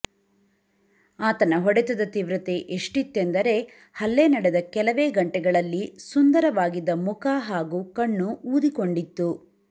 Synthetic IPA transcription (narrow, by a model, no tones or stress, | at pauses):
aːt̪ɐnɐɦɔɽɛt̪ɐd̪ɐt̪iʋɾɐt̪eʔeʂʈit̪ːend̪ɐɾe̞ | hɐlːenɐɽɛd̪ɐkɛlɐʋeːɡɐɳʈɛɡɐɭɐlːisund̪ɐɾɐʋaːɡid̪ːɐmukaːɦaːɡuːkɐɳːuuːd̪ikoɳɖit̪ːu